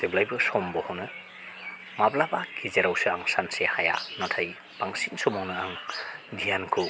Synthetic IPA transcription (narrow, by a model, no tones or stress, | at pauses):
d̥eblajbɯsɔmbɔhɔnɯ | mablabaɡʰizeɾawsɯaŋsansehaja̰nɔtʰaj | b̥aŋsiŋsɔmɔŋnɯaŋdʱijankʰɯ